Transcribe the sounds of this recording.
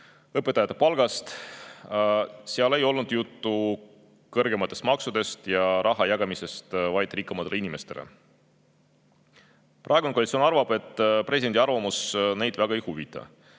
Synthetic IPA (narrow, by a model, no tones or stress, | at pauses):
ɤpːˑet̪ːˑɑjɑt̪ːˑepɑlɡ̥ɑst̪ | seɑle̞jo̞lnud̪jut̪ːu | kɤrɡe̞mɑt̪ːˑe̞st̪mɑksud̪̥e̞st̪jɑɾʔɑɦɑjɑɡ̥ɑmisest̪vɑjd̪̥rikːˑɑmɑt̪ːeleinime̞st̪e̞lḛ | prʔɑˑeɡ̥unkolit̪sionɑrvɑb̥e̞t̪ːˑpresʲid̪end̪ʲiɑrvɑmusne̞jd̪̥væɡ̥ɑejhuvit̪ːˑɑ̰